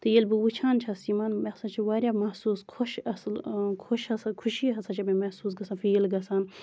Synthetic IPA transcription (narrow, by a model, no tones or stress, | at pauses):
t̪ɨjelbɨwut͡ʃʰaːnt͡ʃʰasimaːnmesɐt͡ʃʰiʋaːɾʲjaːmɐhsuːskʰoʃɐslkʰoʃɐsɐkʰuʃiɦɐsɐt͡ʃʰɐmemɐsuːs̬ɡɐsanfiːlɡɐsaːn